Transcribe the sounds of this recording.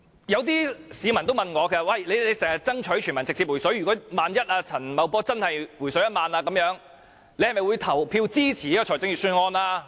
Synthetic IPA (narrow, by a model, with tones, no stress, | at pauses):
jɐ˨˧wt̪̬iː˥siː˨˧mɐ˨˩nt̪o˥wmɐ˨nŋɔː˨˧kʰɛː˨˧˩wɐ˨˩jle˨˧jle˨˧jsɛː˨˩ŋhɐ˨˩t͡sɐ˥ŋt͡ʃʰɵ˨˥jt͡ʃʰy˨˩mɐ˨˩nt͡sɪ˨k̚t͡siː˧p̚wu˨˩jsɔ˨˥ɥɥyː˨˩kɔː˨˥maː˨njɐ˥t̚aː˧t͡sʰɐ˨˩nmɐ˨˧wpɔː˥t͡sɐ˥nhɐ˨jwu˨˩jsɵ˨˥jɐ˥t̚maː˨˧naː˧kɐ˨˧˥mjœː˨˧˥ŋ | le˨˧jhɐ˨jmɐ˨jwu˨˧jt̪ʰɐ˨˩wpʰiː˧wt͡siː˥t͡sʰiː˨˩iː˥kɔː˨t͡ʃʰɔː˨˩jt͡sɪ˨˥ŋjyː˨sy˧nŋɔː˥nlaː˧